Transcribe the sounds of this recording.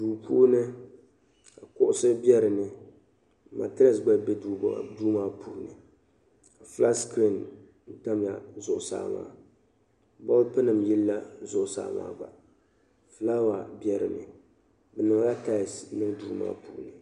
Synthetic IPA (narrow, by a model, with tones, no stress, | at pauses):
duː˨puː˦nɨ˦ | a˨kʊ˦ʔʊ˦sɨ˦bɛ˦ɾɨ˨nɨ˦ | ma̰˨tɪ˦a˨sɡ͡ba˦bɛ˦duː˦maː˦pʰuː˨nɨ˨ | a˨fla˦skɾi˦˨n | n̩˦ta˦mja̰˨zʊ˨ʔʊ˨sa̰ː˨˦ma̰ː˦ | bɔ˦lpɨ˦nɨ˨mjɛ˦lːa˦zʊ˦ʔʊ˨sa̰ː˨ma̰ː˦ba̰˨ | fɨ˦la˦wa˨bjɛ˦ɾɨ̰˨nɨ̰˨ | bɨ˨nɨ˨ŋ˨la˦ta˦˨snɨ˦ŋduː˦ma̰ː˦pṵː˨nɨ˨